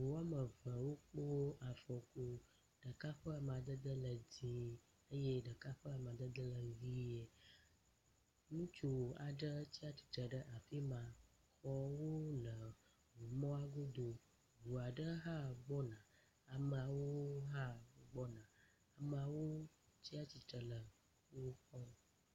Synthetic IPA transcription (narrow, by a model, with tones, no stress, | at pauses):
vu˨wa˦mə˨və̃˨wo˦k͡po˦a˨fɔ˨ko˦ | ɖ̥ə˨ka˦ɸə˦a˨mə˨a˨d̪ə˦d̪ə˦lə˨d͡zĩ˨ | ə˦je˦ɖə˨ka˦ɸə˦a˨m˨ã˨d̪ə˦d̪ə˦lə˨vi˦ɛ˨ | nũ˦t͡ʃo˨a˨ɖə˦t͡ɕi˦a˦t̪i̥˨t̪ə˨ɖə˦ʔa˨ɸi˦mã˨ | xɔ˦wo˦lə˨ | wu˨mɔ̃˦a˦ɡo˦d̪o˨ | vu˨a˨ɖə˦ɦa˦ɡ͡bɔ˦nã˨ | a˨mə˨a˨wo˦ɦa˦˨ɡ͡bɔ˦nã˨ | a˨mə˨a˨wo˦ | t͡ɕi˦a˦t͡ɕi˨t̪ə˨lə˨ | wo˦xɔ˦